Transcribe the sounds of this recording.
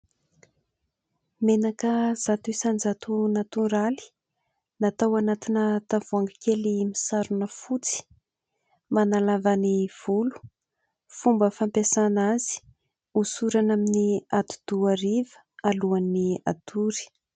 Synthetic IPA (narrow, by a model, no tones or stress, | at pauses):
menakəz̥at̪isand͡zat̪unat̪unɾali̥ | nat̪awanat̪inət̪avuaŋɡakʲelimisaɾunəfut͡si̥ | manalavaniv̥ulu̥ | fumbəfampjasanazi̥ | usuɾanaminiat̪u̥d̪̥uaɾivə̥ | aluania̰t̪uɾi̥